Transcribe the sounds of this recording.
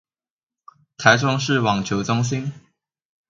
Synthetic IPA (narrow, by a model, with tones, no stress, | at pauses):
t̪ʰa˧˥ɪʈ͡ʂʊ˥ŋʂɻ̩˥˨wɑ˨˩ŋt͡ɕʰjo˧˥˦ʊt͡sʊ˥ŋɕ̬i˥n